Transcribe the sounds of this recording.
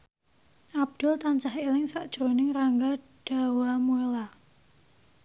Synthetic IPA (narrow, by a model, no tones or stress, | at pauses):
ʔab̚d̪̥ʊlt̪aɲt͡ʃahelɪŋsaʔd̥ʒ̥ɾonɪŋraŋɡa | ɖ̥a̤wamuela